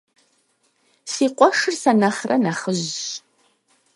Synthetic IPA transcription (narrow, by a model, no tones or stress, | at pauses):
siːqʷɔʂɨrsɐnɐχrɐnɐχəʑ